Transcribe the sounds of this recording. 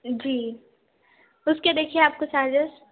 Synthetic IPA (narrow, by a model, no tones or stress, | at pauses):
d͡ʒiː | ʊsked̪eːkʰieaːp̚kosaːd͡ʒɪʃ